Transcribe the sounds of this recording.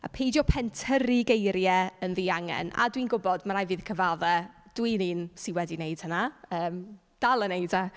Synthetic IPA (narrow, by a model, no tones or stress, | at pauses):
apʰejdjɔpʰɛntʰəɾiɡejɾjɛənðiːaŋɛ̰na̰dwinɡʊbɔdmaɾajvɨːð̥kʰəvaðɛd̥winiːnsiwɛdinejd̥hənaəːm | d̥alˠənejda